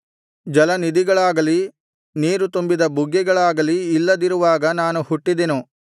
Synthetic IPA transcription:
d͡ʒɐlɐnid̪iɡɐɭaːɡɐli | niːɾut̪umbid̪ɐbuɡːɛɡɐɭaːɡɐliːlːɐd̪iɾuʋaːɡɐnaːnuhuʈːid̪enu

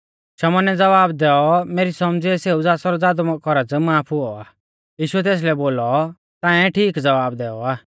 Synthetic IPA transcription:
ʃɐmɔnɛd͡zɐʋaːbd̪ɛːɔmeːɾisɔmd͡ziɛseːud͡zaːsɔɾɔaːd̪ɔmɔkɔɾat͡smaːpʰʊɔaː | jiːʃuɛt̪̬eːs̬lɛboːlɔ | t̪ãːɛ̃ʈʰiːkd͡zɐʋaːbd̪ɛːɔaː

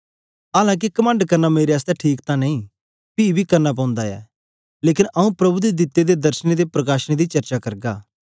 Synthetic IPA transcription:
aːlãːk̬ikɐmə̃ɳɖkɐɾnameːɾeaːst̪ɛʈʰiːkt̪ãnɐĩː | piibʱikɐɾnap̬ãːʊ̃nd̪aɛ̰ː | leːkɪnʔɐũpɾɐbud̪ed̪ɪt̪ːed̪ed̪ɐɾʃəned̪epɾɐkaːʃñed̪it͡ʃɐɾt͡ʃakɐɾɡaː

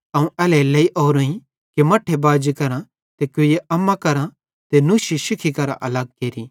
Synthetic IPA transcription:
ɐũʔɛːlɛlɐiʔoːɾõːĩ | kemɐʈʰːebaːd͡ʒikɐɾã | t̪ekʊjeʔɐmːakɐɾã | t̪enuːʃiʃɪkʰikɐɾa̰ʔɐlɐɡ̚keːɾi

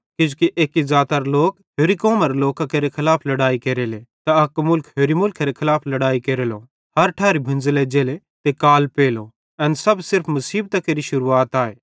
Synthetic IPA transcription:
kɪd͡ʒʊkiʔeːkizaːt̪ɐɾloːk | ɦoːɾikoːmɐɾloːkakɐɾekʰɪlaːpʰlɐɽaːikeɾelet̪aɐkmʊlkʰɦeːɾimʊlkʰɐɾekʰɪlaːpʰlɐɽaːikeɾelo | hɐɾʈʰaːɾibʱɪ̃nd͡zled͡ʒeːle | t̪ekaːlpeːlo | ɛnsɐbsɪɾpʰmɐsiːb̚t̪ɐkeɾiʃʊɾuaːt̪aːḛː

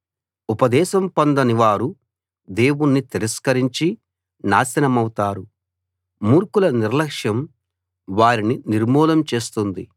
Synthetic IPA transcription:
upɐd̪ɛːʃɐmpɐnd̪ɐniʋaːɾu | d̪e̞ːwunːit̪iɾɐskɐɾiɲt͡ʃi | naːsɐnɐmɐwut̪aːɾu | muːɾkulɐniɾlɐkʂjɐm | ʋaːɾininiɾmɔːlɐmt͡ʃe̞ːst̪und̪i

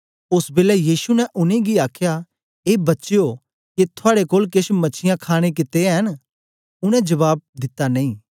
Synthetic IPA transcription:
ʊsbeːlɛjiːsunɛʔʊnẽɡiaːkʰja | eːbɐtːʃeo | ket̪ʰʊaːɽekoːlkeʃmɐt͡ʃʰɪjãkʰaːɽ̃ek̬ɪt̪eɦɐn | ʊɽ̃ɛ̃d͡ʒɐβaːb̚d̪ɪt̪ːanɐ̃ĩː

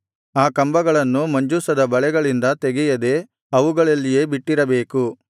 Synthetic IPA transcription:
aːkɐmbɐɡɐɭɐnːumɐɲd͡ʒusɐd̪ɐbɐɭɛɡɐɭind̪ɐt̪eɡɛjɐd̪e̞ | ɐʋuɡɐɭɐlːije̞ːbiʈːiɾɐbe̞ːku

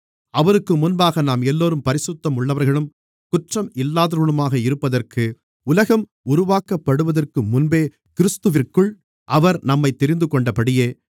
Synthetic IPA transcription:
ɐʋɐɾɯkːɯmːʊnbaːɣɐnaːmɛlːoːɾɯmpɐɾɪsɯt̪ːɐmʊɭːɐʋɐɾɣɐɭɯm | kʊʈrɐmɪlːaːðɐɾɯɳɯmaːɣɐɪɾɯpːɐðɐrkɯ | ʊlɐɣɐm | ʊɾʊʋaːkɐpːɐɽɯʋɐðɐrkɯmːʊnbeː | kɪɾɯst̪ɯʋɪrkɯɭ | ʔɐʋɐɾnɐmːɐɪt̪ːɛɾɪnd̪ɯkɔɳɖɐpɐɽɪjeː

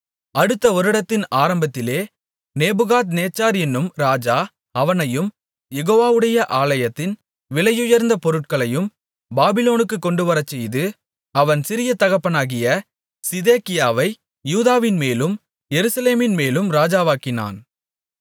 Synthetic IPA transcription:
ʔɐɽɯt̪ːɐɔɾɯɽɐt̪ːɪnaːɾɐmbɐt̪ːɪleː | neːbɯɣaːt̪̬neːt͡ʃːaːɾɛnːɯmɾaːd͡ʒaː | ɐʋɐnɐjɯm | jɛɣoːʋaːʋɯɽɐjɐʔaːlɐjɐt̪ːɪn | ʋɪlɐjɯjɐɾnd̪ɐpɔɾɯʈ̚kɐɭɐjɯm | baːbɪloːnɯkːɯkːɔɳɖɯʋɐɾɐt͡ʃːɛjðɯ | ɐʋɐnsɪɾɪjɐt̪ɐɣɐpːɐnaːɣɪjɐ | sɪðeːkɪjaːʋɐɪ | juːðaːʋɪnmeːlɯm | jɛɾɯsɐleːmɪnmeːlɯmɾaːd͡ʒaːʋaːkɪna̰ːn

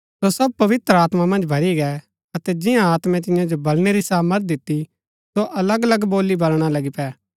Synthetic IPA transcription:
sosɐb̚pɐʋɪt̪ɾəaːt̪mamɐ̃nd͡ʒbʱɐɾiɡɛ | ɐt̪ɛd͡ʒɪjãaːt̪mɛ̃t̪̬ɪ̃jãd͡ʒobɐlɽ̃eɾisaːməɾt̪̚d̪ɪt̪ːi | soʔɐləɡɐləɡboːlibɐlɽ̃alɐɡipɛː

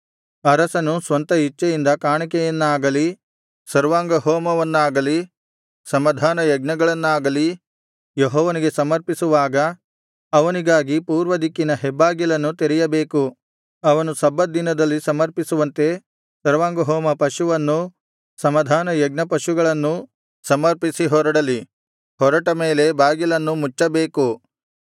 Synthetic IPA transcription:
ɐɾɐsɐnusʋɐnt̪ɐɦit͡ʃːɐjind̪ɐkaːɳikɛjɐnːaːɡɐli | sɐɾʋaːŋɡɐɦɔːmɐʋɐnːaːɡɐli | sɐmɐd̪ʱaːnɐjɐɡ̚nɐɡɐɭɐnːaːɡɐli | joɦɔːʋɐniɡe̞sɐmɐɾpisuʋaːɡɐ | ɐʋɐniɡaːɡipuːɾʋɐd̪ikːinɐɦɛbːaːɡjɐlɐnːut̪eɾɛjɐbe̞ːku | ɐʋɐnusɐbːɐd̪inɐd̪ɐlːisɐmɐɾpisuʋɐnt̪e̞ | sɐɾʋaːŋɡoɦɔːmɐpɐʃuʋɐnːu | sɐmɐd̪ʱaːnɐjɐɡnɐpɐʃuɡɐɭɐnːu | sɐmɐɾpisiɦɔːɾɐɽɐli | hɔɾɐʈɐme̞ːle̞baːɡilɐnːumut͡ʃːɐbe̞ːku

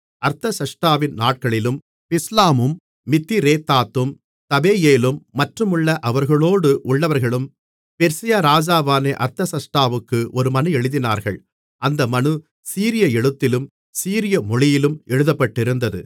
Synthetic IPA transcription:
ɐɾt̪ɐsɐʂʈaːʋɪnnaːʈ̚kɐɭɪlɯm | pɪslaːmɯmː | ɪt̪ːiɾeːt̪ːaːt̪ːɯm | t̪ɐbeːjeːlɯmːɐʈrɯmɯɭːɐʔɐʋɐɾɣɐɭoːɽɯʔʊɭːɐʋɐɾɣɐɭɯm | pɛɾsɪjaɾaːd͡ʒaːʋaːneːʔɐɾt̪ɐsɐʂʈaːʋɯkːɯʔɔɾɯmɐnɯɛɻɯðɪna̰ːɾɣɐ̰ɭ | ʔɐnd̪ɐmɐnɯ | siːɾɪjɐɛɽɯt̪ːɪlɯm | siːɾɪjɐmɔɻɪjɪlɯmɛɻɯðɐpːɐʈːɪɾɯnd̪ɐðɯ̰

